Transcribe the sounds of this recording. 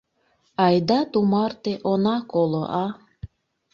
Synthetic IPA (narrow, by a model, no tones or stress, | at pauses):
ɑjd̪ɑt̪umɑrt̪eʔonɑkolo̰ʔɑ